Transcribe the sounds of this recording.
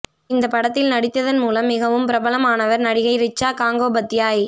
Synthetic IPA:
ɪnd̪ɐpɐɽɐt̪ːɪlnɐɽɪt̪ːɐðɐnmuːlɐmːɪɣɐʋɯmpɪɾɐbɐlɐmaːnɐʋɐɾnɐɽɪɣɐɪɾɪt͡ʃːaːkaːŋɡoːbɐt̪ːɪjaːj

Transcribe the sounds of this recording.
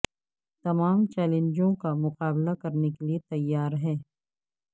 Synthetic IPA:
t̪ɐmaːmt͡ʃɛːlẽɲd͡ʒõkamʊqaːblakɐɾnekeliet̪ɐjːaːɾɦɛː

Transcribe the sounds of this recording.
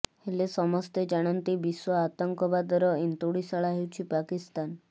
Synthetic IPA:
helesɔmɔst̪ed͡ʒaɽ̃ant̪ibiswɔat̪ɔŋkɔbad̪ɔɾɔint̪uɽisaɭaɦewt͡ʃʰipakist̪an

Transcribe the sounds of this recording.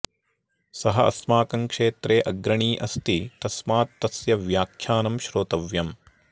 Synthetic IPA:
sɐɦɐɐ̰smaːkɐŋkʂeːt̪ɾeːʔɐɡɾɐɳiːʔɐst̪it̪ɐsmaːt̪ːɐsjɐʋjaːkʰjaːnɐmʃɾoːt̪ɐʋjɐm

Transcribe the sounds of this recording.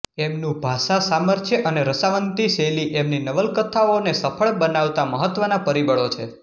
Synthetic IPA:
emnũbʱasasaməɾt̪ʰjəʔəneɾəsaʋənt̪iseliʔemninəʋəlkət̪ʰaonesəfʰəɭbənaʋt̪aməɦət̪ːʋənapəɾibəɭot͡ʃʰḛ

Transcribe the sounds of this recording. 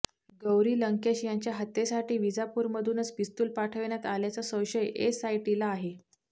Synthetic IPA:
ɡəwɾiːləŋkeɕjaɲt͡ɕjaɦət̪ːesaʈiːʋid͡zapuːɾməd̪ʱuːnət͡sʋist̪uːlpaʈʰəʋɳ̃jat̪aljat͡sasə̃wɕəjesajʈilaːɦe

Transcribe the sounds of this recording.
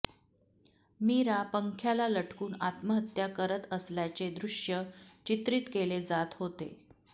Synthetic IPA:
miɾapəŋkʰjalaləʈʰkuːnat̪məɦət̪jakəɾət̪əsljat͡sed̪ɾuʂjət͡ɕit̪ɾiːt̪keled͡zat̪ɦot̪ḛ

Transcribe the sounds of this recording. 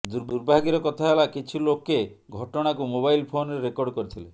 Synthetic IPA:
d̪uɾuɾbʱaɡiɾɔkɔt̪ʰaelakit͡ʃʰuloke | ɡʱɔʈɔɽ̃akumobajlpʰonɔɾeɾekɔɾɖkɔɾit̪ʰile

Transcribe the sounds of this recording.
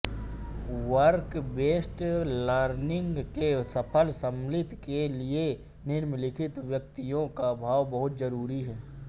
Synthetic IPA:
wəɾkbeːsʈləːɾnɪ̃ŋɡkesɐpʰəlsəmlɪt̪kelie | nɪɾmlɪkʰɪt̪ʋjək̚t̪ijõkabʱaːwbɐɦʊt̪zɐɾuːɾiɦɛː

